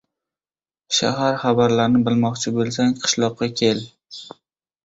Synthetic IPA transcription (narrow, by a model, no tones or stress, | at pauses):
ʃa̰ɦaɾχabaɾlaɾnɪbɪlˠmɒqt͡ʃʰɪbolˠsaŋqʰɨ̥ʃlˠɒqːɑkʲʰe̞l